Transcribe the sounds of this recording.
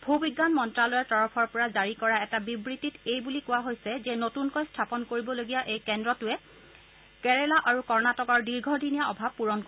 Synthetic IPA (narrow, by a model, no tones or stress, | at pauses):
bʱubiɡːanmɔntɹalɔjɛtɔɹɔpʰɔɹpɔɹazaɹikɔɹaɛtabibɹitːitejbulikʊwaɦojsɛzɛnotunkɔjstʰapɔnkoɹibɔloɡijaʔejkɛndɹɔtʊɛ | kɛɹɛlaʔaɹukɔɹnatɔkɔɹdiɹɡʱɔdʱinijaɔbʱab̚puɹɔnk